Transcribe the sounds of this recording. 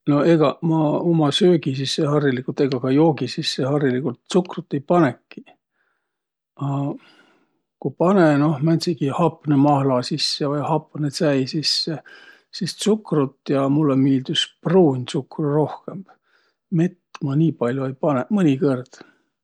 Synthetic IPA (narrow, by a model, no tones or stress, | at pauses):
no̞eɡ̥ɑmɑomɑsøːɡisisːehɑrjilikult̪e̞ɡ̥ɑkɑjo̞ːɡisisːeɦɑrjilikult̪sukrut̪ːˑe̞jpɑnekːi̥ | ɑ | kupɑneno̞hmænʲsiɡ̥ihɑpnemɑhlɑsisːevɑjhɑpnet̪sæjsisːe | sist̪sukrut̪ːjɑmulːemiːld̪yspruːnʲsukruro̞hke̞mb̥ | me̞t̪ːmɑnʲiːpɑlʲjoejpɑnemɤnʲikɤrd̪̥